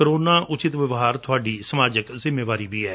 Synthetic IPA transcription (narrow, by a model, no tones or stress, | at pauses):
kəɾoːnaːʔʊt͡ʃɪt̪ʋɪʋɦaːɾt̪ʰʊaːɖiːsəmaːd͡ʒəkzɪmːeːʋaːɾiːʋiːɛː